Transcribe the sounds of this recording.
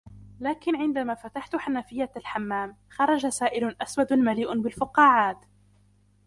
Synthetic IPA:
laːkɪnʕɪnd̪amaːfat̪aħt̪ʊħanafɪjːalħamːaːmxɑɾˤɑd͡ʒasaːʔɪlʔaswad̪maliːʔbɪlfʊqɑːʕaːt̪

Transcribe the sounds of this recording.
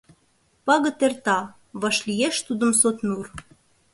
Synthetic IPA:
pɑɣə̆t̪ert̪ɑ | βɑʃlijeʃt̪ud̪ə̆msot̪nur

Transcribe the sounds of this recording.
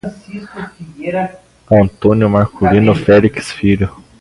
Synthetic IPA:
ɐ̃nt̪õnjʊmaɾkʰulinʊfɛliksfiʎʊ

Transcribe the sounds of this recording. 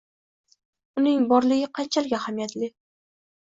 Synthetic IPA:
ʊnɪŋbɒɾlɪɡʲɪqʰɑnt͡ʃʰalɪɡʲaahamjat̪lɪ

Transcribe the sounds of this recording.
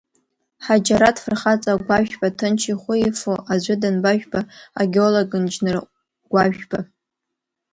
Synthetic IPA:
ħad͡ʒaɾadfɨrχat͡sʼaɡʷaʒᶣbatʰɨnt͡ʃʰiχʷʊifoʔazʷʊdanbaʒᶣbaa̰ɡʲeoloɡʼɨnd͡ʒnɨr | ɡ̥ʷaʒᶣb̥a

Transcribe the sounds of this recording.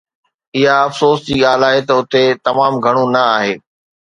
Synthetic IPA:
ɪɦaɐfsoːsd͡ʑiːɠaːlaːɦet̪ɐʊt̪et̪ɐmaːmɡʱɐɽ̃ũnɐaːɦeː

